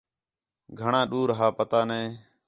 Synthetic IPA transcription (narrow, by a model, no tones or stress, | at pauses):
ɡʱəɳãːɗuːɾɦaːpət̪aːnẽː